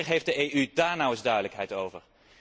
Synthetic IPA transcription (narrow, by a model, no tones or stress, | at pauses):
χɦejfdəʔejydaːɹnɔwəzdœɥdələkɦɛjtowvəɹ